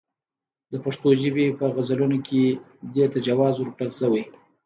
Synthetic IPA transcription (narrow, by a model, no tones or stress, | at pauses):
d̪əpaʂt̪oʒəbepəɣazalunokʰe | d̪et̪ad͡ʒawɑzwəɾkɽəlsəwej